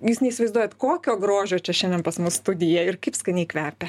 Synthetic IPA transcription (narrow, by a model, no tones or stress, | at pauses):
jiːsnʲɛɪisʲɪʋɐɪzd̪uɔjɛt̪koːkʲoːɡɾoːʒʲoːt͡ʃʲɛʃʲɛnʲd̪ʲɛnpɐsmʊsst̪ʊd̪ʲɪjɛɪrkɐɪpskɐnʲɛɪkʋʲæːrʲpʲɛ